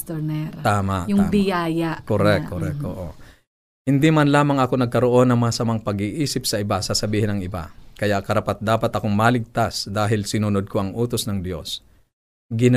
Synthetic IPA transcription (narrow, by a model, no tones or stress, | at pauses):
t̪oɾnɛɾt̪aːmaʔtjʊŋaːbɪjaːjaʔkoɾɛk̚koɾɛk̚t̪oʔo | hɪnd̪imɐnlaːmɐŋɐko̞nɐɡ̚kɐɾo̞ʔo̞nːɐŋmɐŋɐsɐmaŋpɐɡiʔiːsɪp̚sɐʔɪbasɐsɐbiːhɪnɐŋɪba̰kɐjaʔkɐɾapat̪̚d̪aːpɐt̪ɐko̞ŋmaːlɪɡ̚t̪asd̪aːɦɪlsɪnunod̪̚koʔɐŋʔuːt̪o̞snɐŋd̪jo̞s | ɡɪn